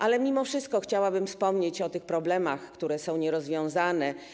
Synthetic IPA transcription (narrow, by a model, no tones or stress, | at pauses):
ʔalɛmʲimɔfʂɘst̪̚kɔxt͡ɕawabɘmfspɔmɲet͡ɕɔt̪ɘxpɾɔblɛmaxkt̪uɾɛsɔ̃w̃ɲɛɾɔzvʲjɔ̃w̃zanɛ